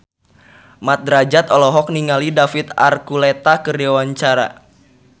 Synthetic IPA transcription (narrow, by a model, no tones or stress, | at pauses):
mat̪̚d̪ɾad͡ʒat̪ɔlɔɦɔk̚niŋalidafit̪a̰rkulɛt̪akərdewaɲt͡ʃaɾa̰